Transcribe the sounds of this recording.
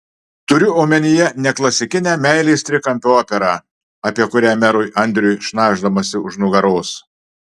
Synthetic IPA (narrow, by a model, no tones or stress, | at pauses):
t̪ʊɾʲʊoːmʲɛnʲɪjɛnʲɛklˠɐsʲɪkʲɪnʲæːmʲæɪlʲɛːst̪ʲɾʲɪkɐmʲpʲoːpʲɛɾɑː | ɐpʲiɛkʊɾʲæːmʲɛɾʊjʔɐnʲd̪ʲɾʲʊjʃnɑːʒd̪ɐmɐsʲɪʊʒnʊɡɐɾoːs